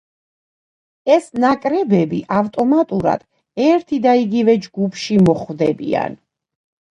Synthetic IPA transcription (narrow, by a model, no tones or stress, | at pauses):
ɛsnakʼɾɛbɛbiʔavt̪ʼɔmat̪ʼuɾa̰d̪̥ | ɛɾt̪ʰid̪aiɡivɛd͡ʒɡupʰʃimɔχvd̪ɛbḭa̰n